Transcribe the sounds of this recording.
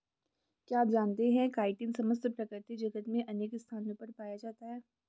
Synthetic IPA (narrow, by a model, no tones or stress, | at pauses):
kjaːpd͡ʒaːnt̪eɦɛ̃kaːɪʈɪnsɐməst̪pɾɐkɾɪɾt̪id͡ʒɐɡət̪mẽʔɐneːkɪst̪ʰaːnõpɐɾpaːjad͡ʒaːt̪aɦɛː